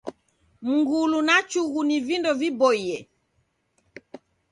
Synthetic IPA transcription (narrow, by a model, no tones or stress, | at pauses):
m̩ŋɡulunat͡ʃuɣunivindɔvibɔiɛ